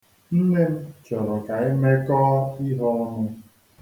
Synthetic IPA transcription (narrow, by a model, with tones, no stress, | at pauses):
n̩˦ne˦m̩˦t͡ʃɔ˨ɾɔ˨ka˨ɪ˦me˦kɔː˦i˦ɦɔ˦ɔ˦nʊ˦